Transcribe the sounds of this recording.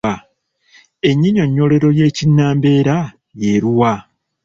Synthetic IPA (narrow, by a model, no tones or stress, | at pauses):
a | e̞ɲːiɲo̞ɲːo̞le̞ɾo̞je̞ːcinːaːmbe̞ːɾa | jeɾuwa